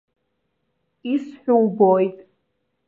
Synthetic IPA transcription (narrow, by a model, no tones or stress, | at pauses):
isħʷᶣuwbojtʼ